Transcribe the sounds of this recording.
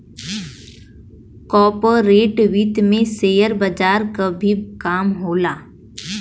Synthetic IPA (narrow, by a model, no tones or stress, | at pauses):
kɔːɾpoːɾeːʈʋit̪mẽseːjəɾbəd͡ʒaːɾkabʱikaːmɦoːlaː